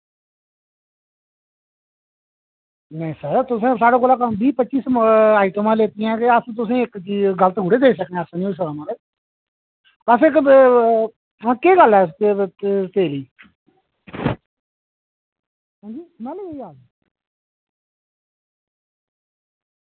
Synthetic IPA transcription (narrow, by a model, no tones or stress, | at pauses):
nəĩsəɾt̪ʊsẽːsaːɽaːkolaːkəmbiːpətːʃiːsmaːiʈəmãːleːt̪ɪjãːkeəst̪̬ʊsẽːɪkt͡ʃiːɡələt̪ɦuːɽeːd̪eːisəknẽːsnĩːos̬əɾaːmãle | əsɪk | ãːkeːɡəlɛː | t̪eːliː | ɦãːd͡ʒiːmãːlːɡiaːɡiː